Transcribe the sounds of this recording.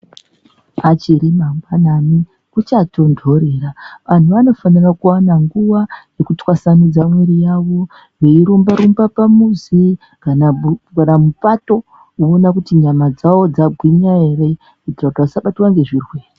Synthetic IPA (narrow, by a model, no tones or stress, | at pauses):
at͡ʃiɾimambanami | kut͡ʃatʰo̞ndʱo̞ɾe̞ːraʋan̤uʋano̞fanirakuwanaŋɡuwaje̞kutwasanud͡zamweɾijawo̞ | ʋeiɾumbaɾumbapamuzi | kanakanamupato̞ | uonakutiɲamad͡zawo̞d͡zaɡʱwiɲaere̞ | etirakutiasaɓatiwaŋɡe̞ʐiːrweːi